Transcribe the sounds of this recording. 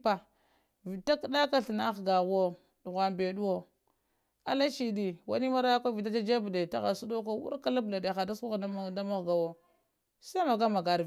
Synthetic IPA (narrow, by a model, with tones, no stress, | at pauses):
pa˨ | vi˨ta˦ki˨da˦ka˦ɬi˨na˦xɡa˨ɣo˦ | du˨ɣʷa˨mbe˨du˦wo˦ | a˨la˦t͡ʃi˨di˨wa̰˨ni˦ma˦ɾa˦ja˦kʷa˦vi˨ta˦t͡ʃa˦d͡ʒa˦bde˨ta̰˦˨ɣa̰˨su˦do˦ka˦wṵ˦ɾka˦la˦bla˨de˨xa˨da˦su˦ɣda˦ma˦ɣɡa˨wo˦ | sa˦ma˨ɡa˦ma˨ɡa˨ɾ